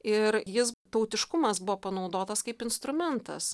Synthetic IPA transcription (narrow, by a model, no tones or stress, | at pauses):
ɪɾjɪst̪ɐʊt̪ʲɪʃkʊmɐsbʊʋoːpɐnɐʊd̪oːt̪ɐskɐɪpɪnst̪ɾʊmʲɛnt̪ɐ̰s